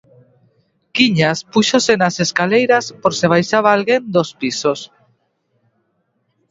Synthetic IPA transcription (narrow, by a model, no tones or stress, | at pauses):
kiɲaspuʃosenaseskalejɾaspoɾseβ̞ajʃaβaalɣend̪ospisos